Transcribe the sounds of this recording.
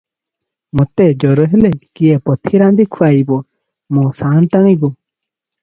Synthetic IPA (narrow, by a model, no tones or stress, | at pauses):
mɔt̪ed͡ʒɔɾɔɦelekiepɔt̪ʰiɾand̪ikʰuajbɔ | mɔsant̪aɽ̃iɡɔ